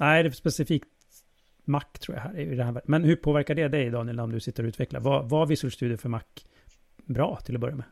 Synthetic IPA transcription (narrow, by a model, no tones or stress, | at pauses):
næd̪ɛspɛsɪfiːkt̪ | makːt̪ʰːɾuːja̰ɦæ̰ːɾɛjɪd̪ɛhæːɾvæːmɛnhɵpʰoːvæɾkaɖɛd̪ɛjd̪ɑːnɪɛləɾɔmd̪ɵsɪt̪ːəɾɔʉːt̪ʰvɛkla̰vavavɪsɵlst̪ʉ̟ːd̪ɪəfœɾmakː | bɾɑ̰ːt̪ʰɪlɔbœɾjamɛ